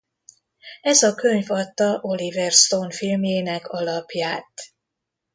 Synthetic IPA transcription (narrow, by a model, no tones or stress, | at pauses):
ɛzɒkø̞ɲvɒt̪ːɒʔo̞livɛrst̪onfilmjeːnɛkʰɒlɒpjaːt̪